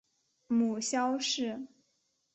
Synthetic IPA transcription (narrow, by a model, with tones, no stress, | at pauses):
mu˨˩ɕjɑ˥ʊʂɻ̩˥˩